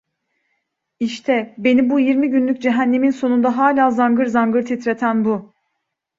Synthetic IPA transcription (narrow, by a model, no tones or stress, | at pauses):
iʃt̪ʰɛbe̞nibujiɾmiɟynlʲyc̚d͡ʒeɦænːe̞minso̞nund̪aɦaːlʲaːzanɡɯɾzanɡɯɾt̪ʰit̪ɾe̞t̪ʰænbu